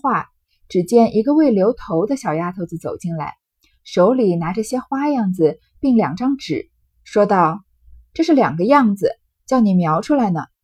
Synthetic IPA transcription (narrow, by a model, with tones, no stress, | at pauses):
xwa˥˩ | ʈ͡ʂɻ̩˨˩t͡ɕjɛ˥˩nʔi˧˥ɡə˧we˥˩ɪljo˧˥ʊt̪ʰo˧˥ʊd̪ə˧ɕjɑ˨˩ʊja˥t̪ʰo˧˥ʊt͡sɹ̩˧˩t͡so̰˨˩ʊt͡ɕi˥˩nla˧˥ɪ | ʂo˧˥ʊli˨˩na˧˥ʈ͡ʂɤ˥˩ɕjɛ˥xwa˥jɑ˥˩ŋd͡zɹ̩˨˩ | pi˥˩ŋljɑ̰˨˩ŋʈ͡ʂɑ˥ŋʈ͡ʂɻ̩˨˩˦ | ʂwɔ˥t̪ɑ˥˧ʊ | ʈ͡ʂɤ˥˧ʂɻ̩˥˩ljɑ̰˨˩ŋɡə˦jɑ˥˩ŋd͡zɹ̩˨˩ | t͡ɕjɑ˥˩ʊni˨˩mjɑ˧˥ʊʈ͡ʂʰu˥la˧˥ɪnə˨˩